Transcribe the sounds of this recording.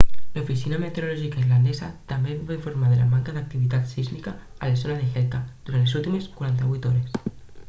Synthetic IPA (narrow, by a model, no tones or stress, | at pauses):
lufisinamet̪eɾulɔʒikaiɾland̪ɛzat̪ambeββaiɱfuɾmaðəlamaŋkaðək̚t̪iβit̪at̪siznikaːləzonaðexɛlkad̪uɾant̪lezulˠt̪imeskwaɾant̪əβujt̪ɔɾes